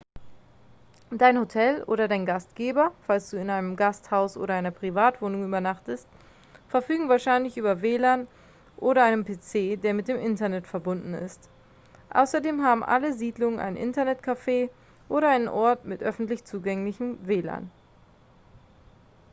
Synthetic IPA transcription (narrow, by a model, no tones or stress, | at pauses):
d̥aɪnhotʰɛlʔo̰ːɾɐdaɪnɡastɡ̥eːbɐfalsd̥uːɪnaɪnəmɡasthaʊsʔo̰ːɾɐaɪnɐpʁ̥ivaːtv̥oːnʊŋyːbɐnaχtəst | fɛɐfyːɡŋ̩vaːɐʃaɪnlɪçʔyːbɐveːlaːn | ʔoːɾɐaɪnəmpʰeːt͡seːdeːɐmɪt̚d̥eːmʔɪntɐnɛtfɛɐbʊndn̩ɪ̰st | ʔa̰ʊsɐdeːmɦaːbm̩ʔa̰ləziːdlʊŋənʔa̰ɪnʔɪ̰ntɐnɛtkʰafeː | ʔoːɾɐaɪnənʔɔɐtmɪtʔœfn̩tlɪçt͡suːɡɛŋlɪçm̩veːla̰ːn